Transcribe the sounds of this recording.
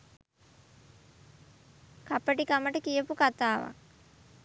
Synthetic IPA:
kapəʈikaməʈəkijəpukat̪aːʋa̰

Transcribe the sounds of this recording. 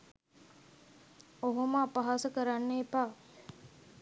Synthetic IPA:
oɦoməapəɦasəkəɾanːeːpaː

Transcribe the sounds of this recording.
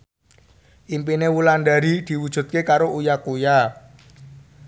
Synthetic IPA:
ʔimpinewuland̪a̤ɾid̪̥i̤wud̥ʒ̥ṳt̪̚kekaɾoʔujakuja

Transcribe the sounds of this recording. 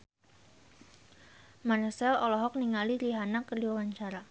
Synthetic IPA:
mansɛlɔlɔɦɔk̚niŋaliɾiɦanakərdiwawaɲt͡ʃaɾa

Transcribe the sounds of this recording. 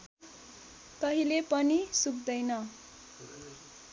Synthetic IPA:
k̪ʌɦilepʌnisuk̚d̪ʌjnʌ

